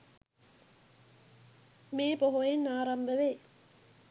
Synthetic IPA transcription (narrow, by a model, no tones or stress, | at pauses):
meːpoɦoenːaːɾambəʋe